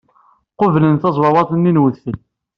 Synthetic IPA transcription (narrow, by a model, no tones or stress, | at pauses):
qovlənθɑzˤwɑwɑθˤənːinwəðθəl